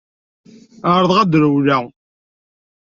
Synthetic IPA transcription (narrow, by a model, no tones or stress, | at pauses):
əɾˤðˤʁæd̪ɾəwlæ